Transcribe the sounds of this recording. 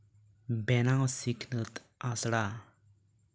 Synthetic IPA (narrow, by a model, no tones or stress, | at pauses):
bɛnaŋsikʰnət̪ | ʔasɽa